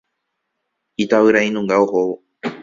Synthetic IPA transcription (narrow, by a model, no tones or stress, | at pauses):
it̪aβɨɾaĩnũŋɡaohowo